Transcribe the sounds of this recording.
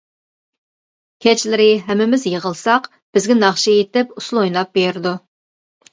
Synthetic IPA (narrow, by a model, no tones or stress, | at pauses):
kʲʰɛt͡ʃlɪɾɪɦɛmːɪmɪzjəʁəlˠsɑq | b̥ɪzɡʲɛnɑχʃijet̪ɪpuslˠojnˠɑp̚beɾɪd̪u